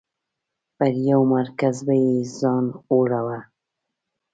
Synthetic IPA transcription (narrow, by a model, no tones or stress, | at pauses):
pəɾjawmaɾkazbajezɑnoɽawa